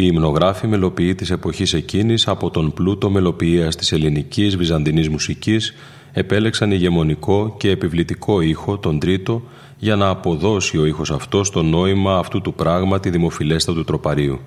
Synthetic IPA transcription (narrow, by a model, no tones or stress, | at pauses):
iːmno̞ɣɾɐfime̞lo̞piit̪ise̞po̞çise̞cinisɐpo̞t̪o̞mplut̪o̞me̞lo̞piiɐst̪i̥se̞linicizvizɐnd̪inizmusicis | e̞pe̞le̞ksɐniʝe̞mo̞niko̞ce̞ːpivlit̪ikʰo̞ixo̞t̪o̞nd̪ɾit̪o̞ | ʝɐnɐːpo̞ðo̞sio̞ixo̞sɐft̪o̞st̪o̞no̞imɐːft̪ut̪upɾɐɣmɐt̪iðimo̞file̞st̪ɐt̪ut̪ɾo̞pɐɾiu